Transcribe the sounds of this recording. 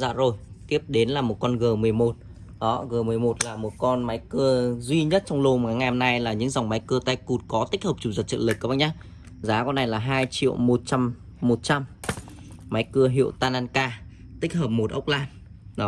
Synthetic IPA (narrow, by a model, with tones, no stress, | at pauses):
za̰ː˧˨zo˨˩jt̪i˦˥əp̚ɗe˨˦nlaː˨˩mo˨˩t̚kɔ˧nɣəː˨˩mɨ˨˩əjmo˨˩t̚ | ɗɔ˨˦ɣəː˨˩mɨ˨˩əjmo˨˩t̚laː˨˩mo˨˩t̚kɔ˧nma˨˦jkɨ˧əzwi˧ɲə˦˥t̚t͡ɕɔ˧wŋ͡mlo˧maː˨˩˦ŋa˧˨hmna˧jlaː˨˩ɲɨ̰˧˥ŋza˨˩wŋ͡mma˨˦jkɨ˧ət̪a˧jku˨˩t̚kɔ˨˦t̪ï˦˥k̟̚həː˨˩p̚t͡ɕu˨˩ŋ͡mzə˨˩t͡ɕə̰˧˨nlɨ˨˩k̚kːɓa˧˩ɲaː˨˦ | zaː˨˦kɔ˧nːa˨˩jlaː˨˩ɦaː˧jt͡ɕḭ˧˨əwmo˨˩t̚t͡ɕa˧mː | o˨˩t̚t͡ɕa˧mː | ma˨˦jkɨ˧əɦḭ˧˨əwt̪aː˧naː˧nkaː˧ | t̪ï˦˥k̟̚həː˨˩p̚mo˨˩t̚ʔə̰˦˥wk͡p̚laː˧n | ɗɔ˨˦